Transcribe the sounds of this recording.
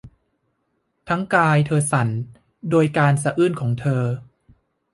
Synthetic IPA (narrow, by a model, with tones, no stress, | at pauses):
t̪ʰa˦˥ŋkaː˧jt̪ʰɤː˧sa˩˦n | doː˧jkaː˧ns̬a˧ʔɯː˥˩nkʰɔː˩˦ŋt̪ʰɤː˧